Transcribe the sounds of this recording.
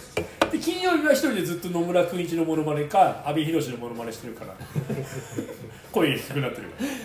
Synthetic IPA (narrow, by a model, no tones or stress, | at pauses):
d̪̥ekʲĩɰ̃jo̞ːɾʲinaçi̥t̪o̞ɾʲid̪e̞d͡zɨt̪ːo̞no̞mɯ̟ɾakɯ̃ĩɲt͡ɕinomo̞no̞maɾe̞kaːbʲiçiɾo̞ɕino̞mo̞no̞maɾe̞ɕi̥t̪eɾɯ̟kaɾa̰ | ko̞iekʲi̥kɯ̟nat̪ːe̞ɾɯ̟ka